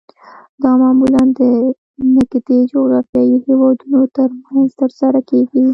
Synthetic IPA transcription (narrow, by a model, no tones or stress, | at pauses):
d̪ɑmɑmuland̪ə | nɪkd̪ed͡ʒoɣɾɑfjɑjihewɑd̪unot̪əɾmanzt̪əɾsaɾakeɡi